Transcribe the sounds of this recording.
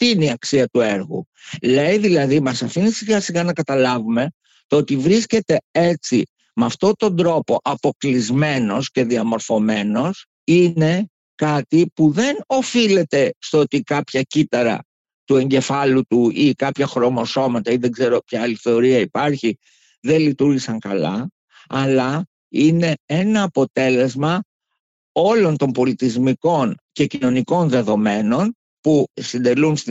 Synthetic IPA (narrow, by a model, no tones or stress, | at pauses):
t̪iineiɐksiɐt̪ue̞ɾɣṵ | le̞jðilɐðimɐsɐfinisiɣɐsiɣɐnɐkɐt̪ɐlɐvume̞ | t̪oot̪ivɾisce̞t̪e̞e̞t͡si | mɐft̪o̞t̪ond̪ɾo̞po̞ʔɐpo̞klizme̞no̞sce̞ðiɐmo̞ɾfo̞me̞no̞s | ine̞ | kɐt̪ipuðe̞no̞file̞t̪e̞st̪oo̞t̪ikɐpçɐcit̪ɐɾɐ̰ | t̪ue̞ɲɟe̞fɐlut̪uikɐpçɐxɾo̞mo̞so̞mɐt̪ɐiðe̞ŋɡze̞ɾo̞pçɐɐliθe̞o̞ɾiɐipɐɾçi | ðe̞nlit̪uɾʝisɐŋkɐ̰lɐ | ɐlɐ | ine̞e̞nɐːpo̞t̪e̞le̞zmɐ | o̞lo̞nt̪o̞mbo̞lit̪izmiko̞nce̞cino̞niko̞nðe̞ðo̞me̞no̞n | pusind̪e̞luns